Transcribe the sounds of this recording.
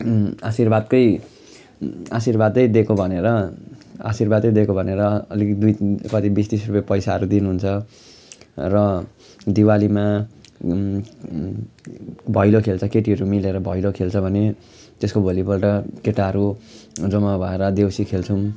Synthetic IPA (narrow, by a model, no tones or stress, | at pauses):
asirbad̪kʌj | a̰sirbad̪ʌjd̪ekobʱʌneɾʌ | a̰sirbad̪ʌjd̪ekobʱʌneɾʌːlikd̪ujkʌt̪ibist̪isrupʌjpʌjsaʌɾud̪inuɦunt͡sʰʌ | rʌ | d̪iwalima | bʱʌjlokʰelt͡sʰʌkeʈiʌɾumileɾʌbʱʌjlokʰelt͡sʰʌbʱʌne | t̪eskobʱolipʌlʈʌkeʈaɾud͡zʌmabʱʌeɾʌd̪ewsikʰelt͡sʰun